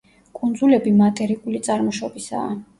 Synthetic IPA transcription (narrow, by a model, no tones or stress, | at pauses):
kʼund̪zulɛbimat̪ʼɛɾikʼulit̪sʼaɾmɔʃɔbisa̰ː